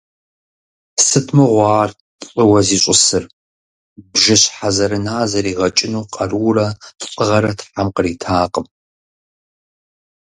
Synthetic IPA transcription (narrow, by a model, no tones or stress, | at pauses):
sɨtʰmɨʁʷɑːrʼ | əwɐziːɕʷʼɪsɨr | bʒɪɕħazɐɾɨnaːzɐɾiːʁɐt͡ʃʼɪnuːqʼɐruːrɐtʰɕʼəʁɐɾɐtʰħamqəriːtʰaːqʼəm